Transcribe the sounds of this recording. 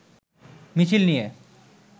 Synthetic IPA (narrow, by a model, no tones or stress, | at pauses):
mit͡ɕʰilnije